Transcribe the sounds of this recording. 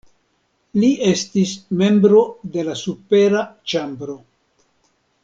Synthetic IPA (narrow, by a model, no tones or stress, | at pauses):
lie̞stisme̞mbɾo̞de̞lasupe̞ɾat͡ʃambɾo̞